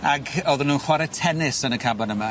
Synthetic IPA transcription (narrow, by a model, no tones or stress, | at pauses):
aɡɔðʊnuːnχwaɾɛtʰɛnɪsənəkʰabanəma